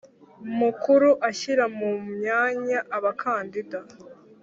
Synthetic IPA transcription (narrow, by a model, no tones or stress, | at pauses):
mukuɾuʔaçiɾamumɲaːɲaʔːβakʰaːndida